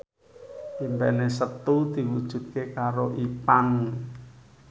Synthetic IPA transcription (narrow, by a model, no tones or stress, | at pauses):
imbpɛnesət̪ud̪̥i̤wud̥ʒ̥ṳt̪̚kekaɾoʔipaŋ